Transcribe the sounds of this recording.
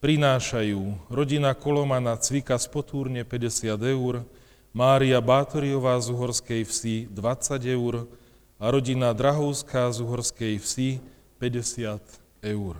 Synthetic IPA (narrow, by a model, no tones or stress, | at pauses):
pɾinaːʃajuːɾɔɟinakɔlɔmanat͡sʋikaspɔt̪ʰuːɾɲɛpɛɟɛsɪad̪ɛuɾ | maːɾiabaːt̪ɔɾiɔʋaːzuɦɔɾskɛjfsid̪ʋat͡saɟɛʊuɾ | aɾɔɟinad̪ɾaɦɔʊskʰaːzuɦɔɾskɛjfsi | pɛɟɛsɪat̪ | ɛʊɾ